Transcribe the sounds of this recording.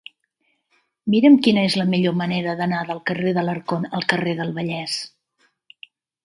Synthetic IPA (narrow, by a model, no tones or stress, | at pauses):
miɾəmkinəezləmiʎoməneɾəðənaðəlˠkəreðələɾkonəlˠkəreðəlˠβəʎɛs